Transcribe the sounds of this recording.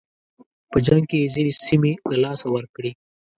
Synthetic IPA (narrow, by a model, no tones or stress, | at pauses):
pəd͡ʒaŋɡ̚kezinisimilalɑsawəɾkɽi